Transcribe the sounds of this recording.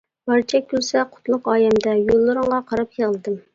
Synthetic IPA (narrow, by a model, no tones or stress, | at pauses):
b̥ɑɾt͡ʃʰɛkʲʰːylsɛqʰʊ̥t̪lˠʊqɑːjɛmd̪ɛjolˠːɨɾɨŋʁɑqʰɑɾɑpjəʁəlˠɨd̪ɨm